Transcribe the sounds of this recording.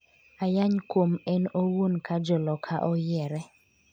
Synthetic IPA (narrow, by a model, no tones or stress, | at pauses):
ajaɲkwomɛnowonkad͡ʒɔlɔkʰaʔɔjɛɾɛ